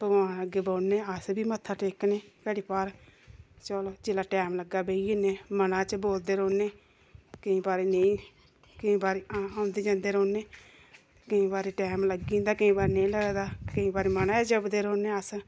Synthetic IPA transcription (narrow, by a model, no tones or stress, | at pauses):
pəɡaːnəɡeːboːneːəsbiːmət̪ʰːaːʈeːkneːkɛːɽiːpaːɾ | t͡ʃəloːd͡ʒeːlaːʈɛːmləɡaːbeieːneːmənãːt͡ʃəboːld̪eːɾoːneː | kəĩːbaːɾeːneĩː | kəĩːbaːɾeːãːʊnd̪eːd͡ʒãːnd̪eːɾoːneː | kəĩːbaːɾeːʈɛːmləɡĩːnd̪aːkəĩːbaːɾeːnəĩləɡd̪aːkəĩːbaːɾeːmənaːd͡ʒəbd̪eːɾoːneːəs